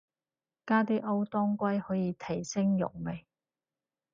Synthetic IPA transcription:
kaː˥t̪iː˥ʔɐ˥wt̪ɔː˥ŋkʷɐ˥jhɔː˨˥jiː˨˧t̪ʰɐ˨˩jsɪ˥ŋjʊ̰˨˩k̚me˨˩j

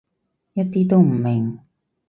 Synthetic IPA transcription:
jɐ˥t̚t̪iː˥t̪o˥wm̩˨˩mɪ˨˩ŋ

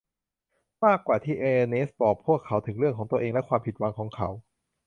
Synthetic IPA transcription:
maː˥˩kːwaː˨˩t̪ʰiː˥˩ʔeː˧ʔe˧nʔe˦˥spɔː˨˩pʰːu˥˩əkʰːa˩˦˥wt̪ʰɯ˩˦ŋɾɯ˥˩əŋkʰɔː˩˦ŋt̪u˧əʔeː˧ŋlɛ˦˥kʰwaː˧mpʰi˨t̪̚wa˧ŋkʰɔː˩˦ŋkʰa˩˦˥w

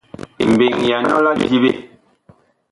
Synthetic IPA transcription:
ḭ˨m˨be˨ŋ˨ja˨nɔ̰˦la˦d͡ʒi˦bḛ˦

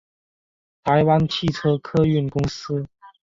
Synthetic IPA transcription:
t̪ʰa˧˥ɪwa˥nt͡ɕʰi˥˨ʈ͡ʂʰɤ˥kʰɤ˥y˥˩nkʊ˥ŋsɹ̩˥

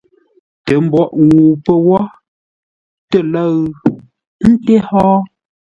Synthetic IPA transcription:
tə˨˦m̩˦bɔ˦˨ʔwu˨pə˦wɔ˦ | tə˦˨lə˦ɣ | n̩˦te˦hɔː˦

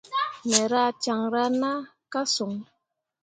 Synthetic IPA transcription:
mɛ˨ɾa˦t͡ʃa˨ŋɾa˦na˦ | ka˦su˨ŋ

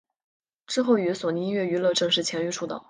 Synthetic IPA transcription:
ʈ͡ʂɻ̩˥˧xo˥˩ʊy˧˥swɔ˨˩ni˧˥ŋɥɛ˥˩y˧˥lɤ˥˧ʈ͡ʂɤ˥˧ŋʂɻ̩˥˩t͡ɕʰjɛ˧˥ny˧˥ʈ͡ʂʰu˥˩d̪ə̰˨˩

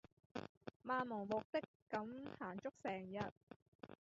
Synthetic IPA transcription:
maː˨˧nmɔ˨˩ŋmʊ˨k̚t̪ɪ˥kː | ɐ˨˥mhaː˨˩nt͡ʃʊ˥k̚sɛː˨˩ŋjɐ˨t̚

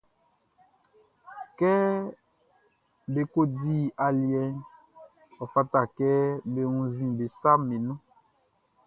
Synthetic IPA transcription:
kɛ˦ | be˨ko˦di˦a˨li˨ɛ˦n | ɔ˨fa˦ta˨kɛ˦be˨ũ˦zĩ˦be˨sa˦me˨nũ˦

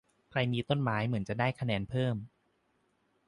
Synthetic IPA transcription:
kʰɾa˧jmiː˧t̪o˥˩nmaː˩˦˥jmɯ˩˦ənt͡ɕa˨˩daː˥˩jkʰa˧nɛː˧npʰɤː˥˩m

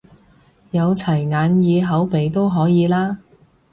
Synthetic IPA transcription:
jɐ˨˧wt͡sʰɐ˨˩jŋaː˨˧njiː˨˧ɦɐ˨˥wpe˨˧jt̪o˥wɦɔː˨˥jiː˨˧laː˥

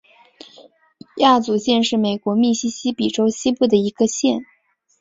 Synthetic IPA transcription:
ja˥˩t͡su˧˥ɕjɛ˥˧nʂɻ̩˥˩me˨˩ɪkwɔ˧˥mi˥˩ɕi˥ɕi˥pi˨˩ʈ͡ʂo˥ʊɕi˥pu˥˩d̪ə˩i˧˥ɡə˧ɕjɛ˥˩n

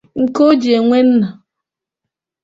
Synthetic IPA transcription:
ŋ̩˨ko˦d͡ʒi˨e˨ŋʷe˦n̩˦na˨

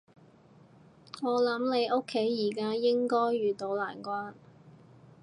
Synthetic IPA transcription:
ŋɔː˨˧lɐ˨˥mne˨˧jʔo˥kʰːe˨˥jːiː˨˩kaː˥jɪ˥ŋkɔː˥jːyː˨t̪o˨˧˥wla̰ː˨˩nkʷwaː˥n

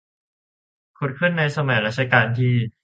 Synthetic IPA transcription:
kʰu˨˩kʰɯ˥˩˨nːa˧jsa˧maː˩˦ɾa˦˥t͡ɕʰa˧kaː˧nt̪ʰiː˥˩

